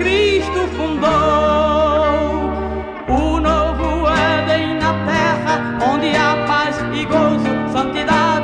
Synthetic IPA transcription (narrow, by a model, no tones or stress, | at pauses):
kɾiʃt̪ʊfũnd̪o | ʊnovʊɛdẽj̃nɐt̪ɛʁɐ | õnd̪ɪamaz | iɡozʊsɐ̃nt̪id̪ad͡ʒ